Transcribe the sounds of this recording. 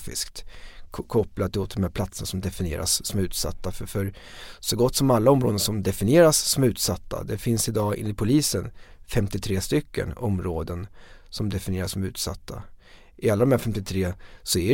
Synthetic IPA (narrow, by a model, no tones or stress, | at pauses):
fɪ̰skt̪kʰɔplad̪ʰɪloːt̪̚d̪ɔmhæːɾpʰlat̪sənasɔmd̪ɛfɪnɪḛːɾa̰sːɔmʉ̟ːt̪sa̰t̪ːaffœɾ | sɔɡɔt̪ːsɔmalːaɔmːɾoːd̪ənsɔmd̪ɛfɪnɪeːɾasːɔmʉ̟ːt̪sat̪ːa̰d̪ɛfɪnsɪd̪ɑːɪ̰nːɪpʰʊliːsənfɛmt̪ɪt̪ʰɾeːst̪ʏkʰːə̰nɔmɾoːd̪ənsɔmd̪ɛfɪnɪeːɾasɔmʉ̟ːt̪sa̰t̪ːa̰ | ʔɪalːad̪ɔmæɾfɛmt̪ɪt̪ʰɾeːsɔæ